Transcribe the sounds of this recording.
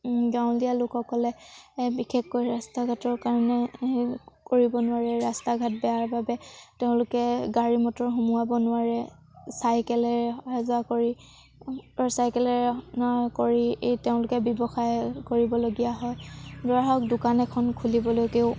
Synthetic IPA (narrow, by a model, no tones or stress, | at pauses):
ɡaʊ̃ndijalʊkɔkɔlɛbikʰɛkːojɹastaɡʱatɔɹkaɹɔnɛ | koɹibɔnʊaɹɛɹastaɡʱat̚bɛaɹbabɛteʊ̃lʊkɛɡaɹimɔtɔɹɦumuabɔnʊwaɹɛ | sajkɛlɛɹazuakoɹi | ɔsajkɛlɛnakoɹiteʊ̃lʊkɛbɔbɔxajkoɹibɔloɡijaɦɔjdɔɹaɦɔkdʊkanɛkʰɔnkʰulibɔlojkeʊ